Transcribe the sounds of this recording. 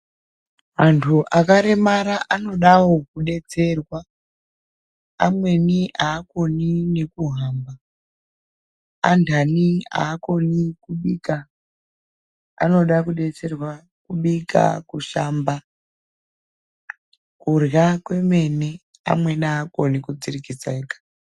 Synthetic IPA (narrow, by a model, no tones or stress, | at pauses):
mantʰuʔakaɾe̞maɾaʔano̞ɗawo̞kuɗe̞t͡se̞rwa | amwe̞niaːkonine̞kuɦaːmba | a̰ndʰʱania̰ːko̞nikuɓiːka | a̰no̞ɗakuɗe̞t͡se̞rwa | kuɓika̰kuʃaːmba | kurjakwe̞me̞ne̞ | a̰mwe̞niaːko̞nikud͡zirikisaekḁ